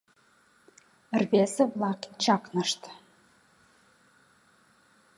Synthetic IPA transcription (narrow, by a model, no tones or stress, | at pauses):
rβeseβlɑkt͡ɕɑknə̆ʃt̪